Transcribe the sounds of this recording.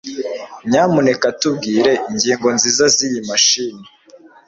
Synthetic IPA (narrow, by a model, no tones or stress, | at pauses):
mɲaːmune̞katub̚ɡiːɾe̞ʔiɲɟiːŋɡo̞nziːzazijimaʃiːni